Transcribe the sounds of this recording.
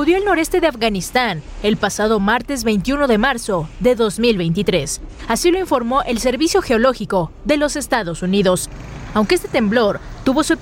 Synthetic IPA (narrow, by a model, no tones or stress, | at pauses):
uðjo̞elno̞ɾe̞st̪e̞ðeafɣanist̪an | e̞lpasaðo̞maɾt̪e̞zβe̞jnt̪juno̞ðe̞maɾso̞ðe̞ðo̞zmilβe̞jnt̪̬it̪ɾe̞sasilo̞iɱfo̞ɾmo̞ʔe̞lse̞ɾβisjo̞xe̞o̞lo̞xiko̞ðe̞lo̞se̞st̪aðo̞suniðo̞s | awŋkeest̪e̞̥t̪e̞mblo̞ɾt̪uβo̞sue